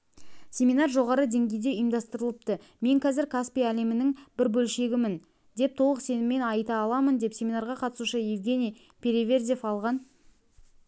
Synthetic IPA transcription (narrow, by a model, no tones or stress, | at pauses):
sʲe̞mʲinɑrʒo̞ʁɑɾəd̪e̞ŋɡʲe̞jd̪e̞ijmd̪ɑst̪əɾəlˠəp̚t̪ə | me̞ŋkʰʲæzɪɾkʰaspijæle̞mɪnɪŋbɪɾbɵlʃe̞ɡʲɪmɪn | d̪e̞p̚t̪ʰo̞lˠəqse̞nɪmːe̞nɑjt̪ɑːlˠɑmənd̪e̞psʲe̞mʲinɑɾʁɑqʰɑt̪əsuʃəjevɡʲe̞nʲij | pʰʲeɾevʲerzʲefɑlˠʁɑn